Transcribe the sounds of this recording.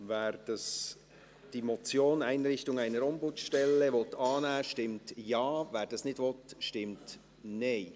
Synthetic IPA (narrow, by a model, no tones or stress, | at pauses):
vɛːɾd̥ɑs | d̥imɔt͡sjoːnaɪnɾɪçtʊŋaɪnəɾɔmbʊtʃtɛlːəvɔtɑːnɛːʃtɪmtjɑːvɛːɾd̥ɑsnɪdvɔtʃtɪmt | neɪ